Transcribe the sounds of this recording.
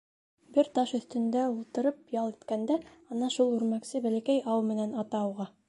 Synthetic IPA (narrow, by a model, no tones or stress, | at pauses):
bɘɾt̪ɑʃɵ̆θt̪ɵ̆nd̪æulˠt̪ɤ̆ɾɤp̚jɑlˠit̪kænd̪æɑnɑʃulˠʉɾmæksɘbælækæjʔɑwmɘ̆nænɑt̪ɑowʁɑ